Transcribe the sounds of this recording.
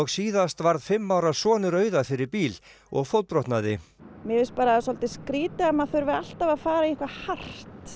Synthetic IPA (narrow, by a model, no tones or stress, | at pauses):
ɔɣsiːðast̪vaɾðfɪmːawɾasɔːnʏɾœːɥðafɪɾɪɾpiːl | ɔ̰ɣfɔlt̪pɾɔht̪naðɪ̰mɛvɪspaːɾasɔlt̪ɪskɾiːt̪ɪamaðθœɾvɪal̥t̪avaðfaːɾaiiŋ̥kvahar̥t̪